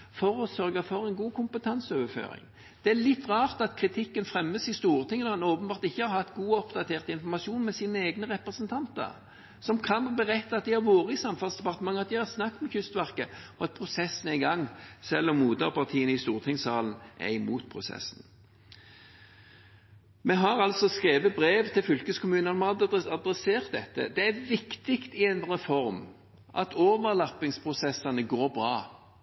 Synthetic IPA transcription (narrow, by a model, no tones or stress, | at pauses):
fɔɾɔsœʁɡəfɔʁɛnɡuːkʰʊmpət̪ʰɑnsoːʋəfø̰ːʁɪ̰ŋ | d̪̥ɛælɪt̪ːʁɑːʁt̪ɑt̪kʰʁɪt̪ʰɪkːənfʁɛmːəsɪst̪uːʁt̪ʰɪŋənɔʁɑnoːpənbɑːʁt̪ɪçːəhɑɾhɑt̪ːɡuːɔpd̪ɑt̪ʰeːʁt̪əɪnfɔʁmɑʃuːnmɛsiːnəeːɡnəʁɛpʁəsənt̪ʰɑnt̪ə̰ɾ | sɔmkʰɑnbəʁɛt̪ːɑɑt̪̚d̪ɪhɑɾʋoːɾəɪsɑmfɑlsd̪ɛpɑʁt̪əmɑŋːɑt̪̚d̪ɪhɑʁsnɑkːmɛçʏst̪ʋæʁkəɔɑt̪̚pʰʁʊsɛsːn̩æɪɡɑŋːsɛlːɔmːuːd̪əʁpʰɑʁt̪ʰiːənəɪst̪uːʁt̪ʰɪŋsɑːlən̩ʔæ̰ɪmuːt̪pʰʁʊsɛ̰sn̩ | mɛɦɑɾɑlt̪sɔskeːʋəbɾeːʋt̪ʰɪlfʏlkəskʊmʉːnəɑnɔmɑd̪ɾɛseːʁt̪̚d̪ɛt̪ːə̰d̪ɛæʋɪkt̪ɪkt̪ɪɛnʁɛfɔɾm | ʔɑ̰t̪ʰoːʋəʁlɑpːɪŋspʰʁʊsɛsɑnəɡoːɾbʁɑː